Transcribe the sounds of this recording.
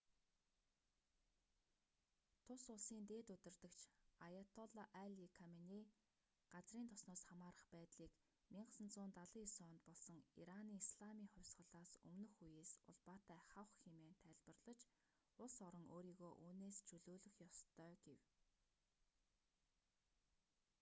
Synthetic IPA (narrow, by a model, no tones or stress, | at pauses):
t̪ʰʊsʊɮsiːnt̪eːt̪ɵt̪ɵ̆rt̪ɘ̆kt͡ɕʰajat̪ʰɔɮɔʔaɮʲikʰameni | ɢat͡sriːnt̪ʰʊ̥snoːsχamaːɾə̆χpæːt̪ɮiːk | miɴɢə̥sə̆nt͡sʊːnt̪aɮiːsʊːnt̪pɔɮsɞ̆ŋḭɾaniːŋisɮaːmiːŋχʊwʲsɢə̆ɮaːsɵ̰mnɵ̆xujeːsʊ̰ɮpaːt̪æːχawχxemeːnt̪ʰæːɮpə̆rɮə̆t͡ɕ | ʊɮsɔɾə̆ŋoːɾiːɣoːʔuːneːst͡ɕʰɵɮuːɮɵ̆xjɔst̪ʰœːɡ̥ew